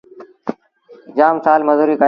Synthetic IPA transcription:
d͡ʑaːmsaːlməzuːɾiːkə

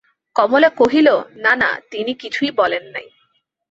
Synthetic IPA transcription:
kɔmolekoɦilonana̰t̪inikit͡ɕʰuibɔlenːa̰j

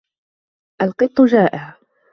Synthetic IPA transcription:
ʔalqɨt̪ˤːʊd͡ʒaːʔɪʕ

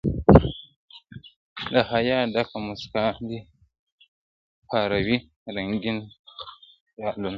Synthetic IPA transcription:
dahajadakamuskadi | paɾawi | ɾaŋɡʲin | jalun

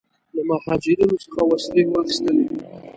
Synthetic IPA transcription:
lamahɑd͡ʒɪɾinosə̥xawaslewaxist̪əlei

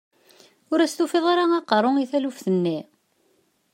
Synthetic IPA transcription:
ʊɾæst̪ufeðˤaɾaɑqɾˤoŋiθælufθənːi

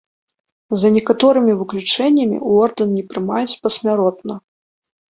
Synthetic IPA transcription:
zɐnʲɛkat̪ɔɾɨmʲivɨklʲut͡ʂɛnʲːɐmʲḭuɔrd̪ɐnnʲɛpɾɨmajɛt͡sʲpɐsʲmʲaɾɔt̪nɐ

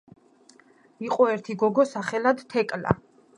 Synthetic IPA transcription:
iqʼɔɛɾt̪ʰiɡɔɡɔsaχɛlad̪t̪ʰɛkʼla̰

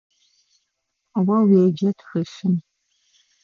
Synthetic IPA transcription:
wɐweːd͡ʒɐtʰxɨʃɨm

